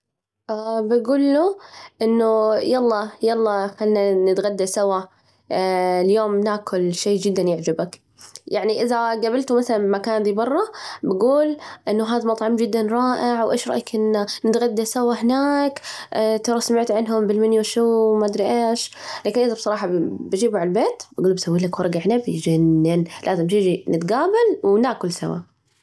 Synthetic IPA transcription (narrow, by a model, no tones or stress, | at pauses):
ʔabaɡuːlːuʔɪnːʊjɑlˤːɑjɑlˤːɑxalːnanɪt̪ɣad̪ːasawa | ljoːmnaːkʰʊlʃeːd͡ʒɪd̪ːanjɪʕd͡ʒabak | jaʕniʔɪðaɡabɪlt̪umaθalanmakaːnd̪iːbɑrˤːɑbaɡuːlʔɪnːʊɦaːðamɑt̪ˤʕɑmd͡ʒɪd̪ːanɾˤɑːʔɪʕwʔḛːʃɾˤɑ̰ʔakʔɪnːanɪt̪ɣad̪ːasawːaɦɪnaːkt̪ɑɾˤɑsamɪʕt̪ʕɪnɦʊmbɪlmɪnːiwʃuːmad̪ɾiʔeːʃlaːkɪnʔɪðabsˤɑɾˤɑːħɑbad͡ʒiːbuʕalbeːt̪baɡuːlbsawːiːlakwɑɾˤɑɡaʕnabd͡ʒanːɪnlʔaːzɪmt̪ɪd͡ʒinɪt̪ɡaːbalwnaːkʊlsa̰wa̰